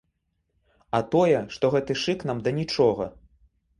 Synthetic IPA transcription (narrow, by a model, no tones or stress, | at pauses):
ɐt̪ɔjɛʂt̪ɔɣɛt̪ɨʂɨknamd̪ɐnʲit͡ʂɔɣɐ̰